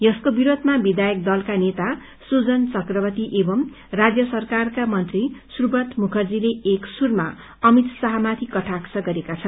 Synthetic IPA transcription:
jʌskobiɾod̪ʱmabid̪ajʌk̚d̪ʌlkanet̪a | sud͡zʌnt͡sʌkrʌbʌt̪iʔebʌm | rad͡zjʌsʌrkarkamʌnt̪risurbʌt̪mukʰʌrd͡zileeksurma | ʌmit̪sʌɦʌmat̪ʰikʌʈʰaksʌɡʌɾekat͡sʰʌn

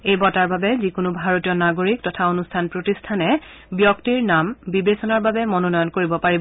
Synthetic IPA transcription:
ejbɔtaɹbabɛzikʊnubʱaɹotijɔnaɡoɹiktɔtʰaonustʰanpɹotistʰanɛ | bjɔktiɹnambibesɔnaɹbabɛmɔnonɔjɔnkoɹibɔpaɹibɔ

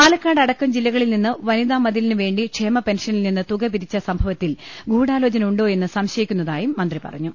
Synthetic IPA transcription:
paːlɐkːaːɽɐɽɐkːɐmd͡ʑilːɐɣɐɭilninːɨʋɐniðaːmːɐðilinɨʋe̞ːɳɖiʂeːmɐpenʂɐnilninːɨt̪uɡɐpiɾit͡ɕːɐsɐmbʱɐʋɐt̪ːilɡuːɽaːlo̞ːt͡ɕɐnɐmuɳɖo̞ːe̞nːɨsɐmɕɐjikʲːunːɐðaːjumːɐnd̪ripɐ̰rɐ̰ɲːu

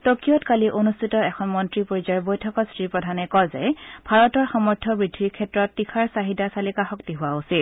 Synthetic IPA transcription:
tokijɔtkaliʔonustʰitɔɛkʰɔnmɔntɹipoɹizaɹbojtʰɔkɔstɹipɹɔdʱanɛkɔzɛ̰bʱaɹɔtɔɹxɔmɔɹtʰɔbɹidʱːiɹkʰɛtɹɔtːikʰaɹsaɦidasalikaxɔktiɦʊwausil

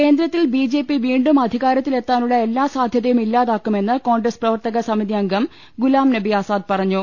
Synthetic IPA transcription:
ke̞ːnd̪ɾɐt̪ːilbiːd͡ʑe̞ːpːiʋiːɳɖumɐd̪ʱiɣaːɾɐt̪ːile̞t̪ːaːnuɭːɐe̞lːaːsaːd̪ʱjɐðɐjumilːaːðaːkːume̞nːɨko̞ːɳɡɾɐsprɐʋɐrt̪ɐɣɐsɐmiðiɐŋɡʱɐm | ɡulaːmnɐbiaːsaːd̪̚pɐrɐɲːu

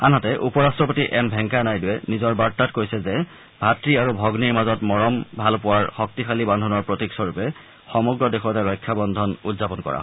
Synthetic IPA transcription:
anɦatɛʔupɔɹastɹɔpotiʔɛmbʱɛŋkanajduwɛnizɔɹbaɹtːatkojsɛzɛ | bʱatɹiaɹubʱɔɡniɹmazɔtmɔɹɔmbʱalpʊwaɹxɔk̚tixalibandʱɔnɔɹpɹotiksɔɹupɛ | xɔmɔɡɹɔdexʰɔtɛɹɔjkʰːabɔndʱɔnudzapɔnkɔ̰ɹa̰ɦɔ

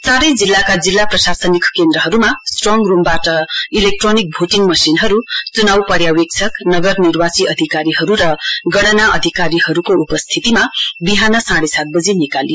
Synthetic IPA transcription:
t͡saɾʌjd͡zilːakad͡zilːaprʌsasʌnikkend̪ɾʌɦʌɾumasʈrɔŋɡrumbaʈʌilek̚ʈronik̚bʱoʈiŋɡmʌsinɦʌɾut͡sunawpʌɾjawek̚t͡sʰʌknʌɡʌrnirwasiʔʌd̪ʱikaɾiɦʌɾuɾʌɡʌɽʌnaʔʌd̪ʱikaɾiɦʌɾukoupʌst̪ʰit̪imabiɦanʌsãɽesat̪̚bʌd͡zenikali

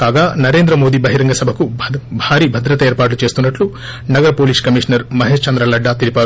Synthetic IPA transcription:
kaːɡaːnɐɾeːnd̪ɾɐmo̞ːd̪iːbɐɦiɾɐŋɡɐsɐbʱɐkubʱaːɾiːbʱɐd̪ɾɐt̪ɐeːɾpaːʈlut͡ʃe̞ːst̪unːɐʈlu | nɐɡɐɾɐpo̞ːliːskɐmiːʂɐnɐɾmɐɦeːʂt͡ʃɐnd̪ɾɐlɐɖːaːt̪ilipaːɾu

